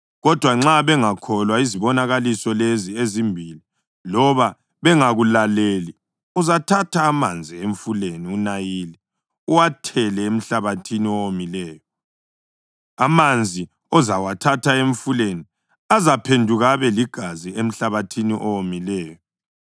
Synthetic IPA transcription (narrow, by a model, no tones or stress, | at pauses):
ɣɔd̥ʱwaŋ͡ǁaβɛŋakʰɔlwaiziβɔnaɣalisɔleziezimbʱili | lɔβa | βɛŋaɣulaleli | uzatʰatʰaːmand͡zʱieɱfuleniunajili | uwatʰɛlɛem̩ɬaβatʰiniɔwomilɛːjɔ | amand͡zʱi | ɔzawatʰatʰaeɱfuleni | azapʰendʱuɣaβɛliɡ̥ʱaziem̩ɬaβatʰiniʔɔwomilɛːjɔ